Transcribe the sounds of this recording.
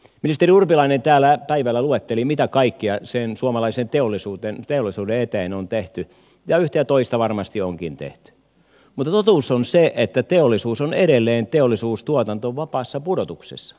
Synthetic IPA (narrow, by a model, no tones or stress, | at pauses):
minist̪eriurpilɑinent̪æːlːˑæpæiʋælːˑæluet̪ːelimit̪ækɑikːiɑsensuomɑlɑisent̪eolːˑisuːt̪ent̪eolisuːdeet̪eːnont̪eht̪y | jɑyht̪eæt̪oist̪ɑʋɑrmɑst̪ioŋkḭnt̪ḛht̪y̥ | mut̪ːɑt̪ot̪uːsonseʔet̪ːæt̪eolːˑisuːsoneɾelːeːnt̪eolːisuːst̪uot̪ɑnt̪oʋɑpɑːsːɑpudot̪uksḛsːɑ̥